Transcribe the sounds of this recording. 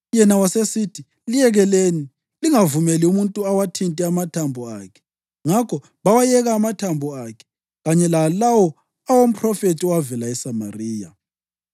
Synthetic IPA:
jɛnawasesitʰi | lijɛɣɛleni | liŋavumeliumuntʼuawatʰintʼɛamatʰambʱɔa̰kʰɛ̥ | ŋakʰɔ | βawajɛɣaːmatʰambʱɔakʰɛ̥ | ɣaɲɛlalawɔ | awom̩pʰrɔfetʰiɔwavɛlaɛsama̰riːja

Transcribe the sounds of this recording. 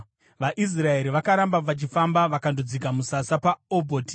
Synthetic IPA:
ʋaʔis̬rae̞ɾiʋakaɾambapat͡ʃifambaʋakandod͡zikamusasapaobʱoːti

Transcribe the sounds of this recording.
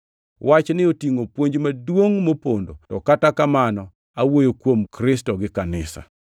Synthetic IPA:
wat͡ʃnɪotiŋopwoɲd͡ʒmadwoŋmopondotɔkatakamanɔ | awojokwomkɾɪstɔɡɪkanɪsa̰

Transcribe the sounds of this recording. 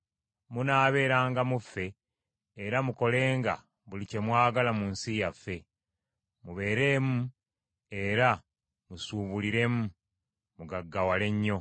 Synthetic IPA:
munaːβe̞ːɾaːŋɡamufːe̞ː | ɾamuko̞le̞ːŋɡa̰ | βulice̞mwaːɡalamunsijafːe̞ | muβe̞ːɾe̞ːmu | e̞ɾa | musuːβuliɾe̞mu | muɡaɡːawale̞ɲːo̞

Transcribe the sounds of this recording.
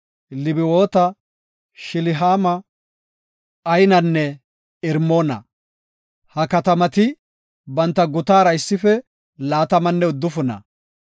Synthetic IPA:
lɪbɪwoːt̪ɐ | ʃɪlɪɦaːmɐ | ɐjnɐnːɛ | ɪɾmoːnɐ̰ | hɐkɐt̪ɐmɐt̪ɪ | bɐnt̪ːɐɡʊt̪aːɾɐɪsːɪfɛ | laːt̪ɐmɐnːɛʊd̪ːʊfʊnɐ̰

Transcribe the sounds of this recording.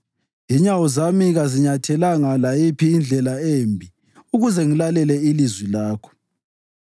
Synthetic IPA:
iɲawɔzamiɣaziɲatʰɛlaŋalajipʰiːnd͡ɮʱɛlaeːmbʱi | uɣuzɛŋilalɛlɛilizwilaːkʰɔ̥

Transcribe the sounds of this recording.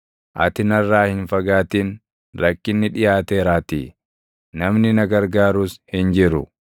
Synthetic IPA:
ʔɐ̰t̪ɪnɐrːaːhɪnfɐɡaːt̪iːn | ɾɐkːɪnːɪᶑɪjaːt̪e̞ːɾaːt̪ḭ | nɐmnɪnɐɡɐɾɡaːɾuːshɪnd͡ʒɪɾʊ̰

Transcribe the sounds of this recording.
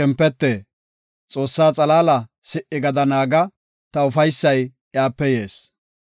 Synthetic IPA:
ɛmpːɛt̪ːe | t͡sʼo̞ːsːaːt͡sʼɐlaːlɐsɪʔɪɡɐd̪ɐnaːɡɐ | t̪ɐʊfɐjsːɐj | jaːpːɛjeːs

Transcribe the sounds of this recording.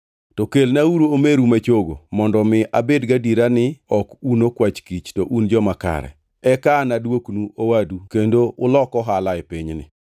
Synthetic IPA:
tɔkelnauɾoomeɾumat͡ʃoɡomɔndɔmɪʔabedɡadiɾanɪɔkunokwat͡ʃkit͡ʃtɔʔund͡ʒɔmaka̰ɾɛ̰ | ɛkanadwoknuowadukendoʔʊlɔkɔɦalaɛpiɲnɪ̰

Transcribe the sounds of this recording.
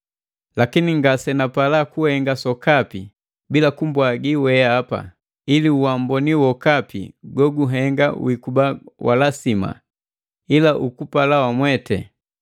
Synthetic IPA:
lakiniŋɡasɛnapalakuhɛŋɡasɔkapi | bilakumbwaɡiwɛːpa̰ | iliuwambɔniwɔkapḭɡɔɡuɦɛŋɡawikubawa̰lasima̰ | ilaʔukupalawamwɛtɛ̰

